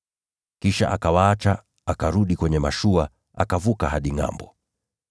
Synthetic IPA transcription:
kiʃa̰ʔakawaat͡ʃa | akaɾuɗikwɛɲɛmaʃua | a̰kavukaɦaɗiŋa̰mbɔ

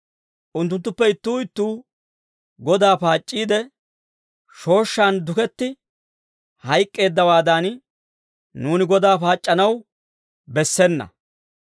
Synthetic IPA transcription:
ʔʊnt̪ːʊnt̪ːʊpːɛɪt̪ːuːɪt̪ːuː | ɡɔd̪aːpaːt͡ʃʼːiːd̪ɛ | ʃo̞ːʃːand̪ʊkɛt̪ːɪ | hɐjkʼːe̞ːd̪ːɐwaːd̪aːn | nuːnɪɡɔd̪aːpaːt͡ʃʼːɐnɐw | bɛsːɛnːɐ̰

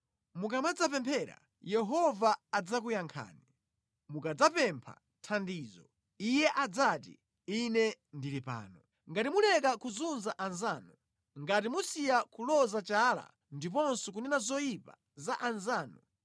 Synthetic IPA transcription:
mukamad͡zapɛmpʰɛɾa̰ | jɛɦɔvaːd͡zakujaŋkʰa̰ːni | mukad͡zapɛmpʰa̰ | tʰandiːzɔ̰ | ijɛʔad͡zatḭ | inɛndilipa̰ːnɔ | ŋɡatimulɛkakuzunzaʔanzaːnu | ŋɡatimusijakulɔzat͡ʃaːla̰ | ndip̬ɔnsɔk̬unɛnazɔjipa̰ | zaʔanzaːnu

